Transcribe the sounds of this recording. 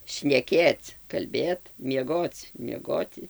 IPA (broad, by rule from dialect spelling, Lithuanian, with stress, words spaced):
ʃʲnʲɛˈkʲeːt͡s kɐlʲˈbʲeːt mʲiɛˈɡoːt͡s mʲiɛˈɡoːtʲɪ